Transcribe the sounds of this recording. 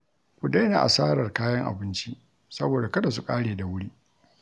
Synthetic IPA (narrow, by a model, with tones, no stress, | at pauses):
kʷu˨da˦jna̰ː˨ʔa̰˨saː˦ɾɐ˨rkaː˦jɐ˦ŋʔa̰˨bɪ˦nt͡ʃi˦ | sɐ˦boː˨da˨kɐ˦da˨s̬u˨kʼaː˦ɽeː˨da˨wʊ˦ɽiː˦